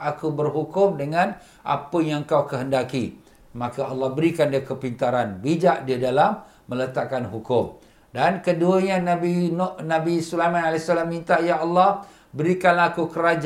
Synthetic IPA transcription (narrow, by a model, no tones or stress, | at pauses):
akubərɦukʊmdəŋãn | ʔa̰pəjaŋŋkawkəɦəndaki | mãkaɑlːɑhbəɾikandiəkəpint̪aɾanbid͡ʒaʔdiədalamː | ə̃lət̪aʔkːanɦukʊm | dankəduəɲanabinnabisulamanalasalamːint̪ajaɑlːɑh | bəɾikanlaakukəɾad͡ʒ